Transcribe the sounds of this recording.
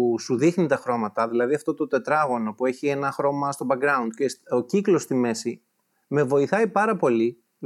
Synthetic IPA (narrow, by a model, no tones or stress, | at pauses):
suðixnit̪ɐxɾo̞mɐt̪ɐðilɐðiɐft̪o̞t̪o̞t̪e̞t̪ɾɐɣo̞nopue̞çie̞nɐxɾo̞mɐst̪o̞bɐɡɾɐund̪̥̚ceso̞ciklost̪ime̞si | me̞vo̞iθɐipɐɾɐpo̞li